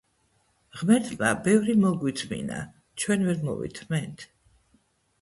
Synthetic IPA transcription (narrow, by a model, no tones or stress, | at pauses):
ʁmɛɾt̪ʰmabɛvɾimɔɡwit̪sʰmḭna̰ | t͡ʃʰwɛnvɛɾmɔ̰vḭt̪ʰmɛnt̪ʰ